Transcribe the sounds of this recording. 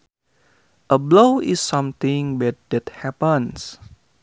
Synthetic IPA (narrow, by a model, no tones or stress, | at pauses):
ʔəblowʔisːʌ̃mt̪ĩŋbɛt̪̚dɛt̪̚hɛpəns